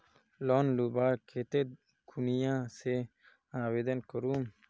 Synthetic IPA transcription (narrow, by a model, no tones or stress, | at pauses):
loːnlubaːkʰet̪e | kʰunijãːse | aːwed̪ɐnkəɾuːm